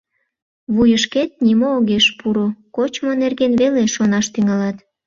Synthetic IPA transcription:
βujəʃket̪̚nimoːɣeʃpuɾokot͡ɕmonerɣenβeleʃonɑʃt̪yŋɑlɑt̪

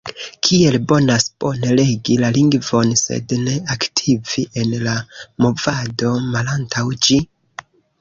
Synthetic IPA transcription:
kʰie̞lbo̞naspo̞nele̞ɡilaliŋɡvo̞nse̞̰dne̞aktʰiviʔe̞nlamo̞vado̞malantʰawd͡ʒi

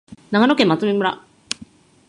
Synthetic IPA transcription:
naɡanokẽmːat͡sɨmʲimɯ̟ɾa̰

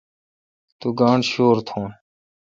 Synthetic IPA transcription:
t̪uːɡãːɳʃoːɾt̪ʰõː

